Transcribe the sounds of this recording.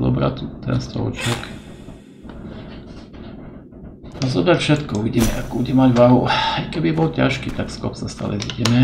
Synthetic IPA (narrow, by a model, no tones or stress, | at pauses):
zɔ̰bɾa̰t̪ut̪ɛ̰nst̪ɔ̰lt͡ʃɪɛk | azɔbɾacfʃɛt̪kɔuʋiɟiːmɛʔakɔbuɟɛmaɟʋaɦuajkɛbibɔlcaʃkit̪akskɔ̰psast̪a̰ːlɛ̰ziɟɛmɛ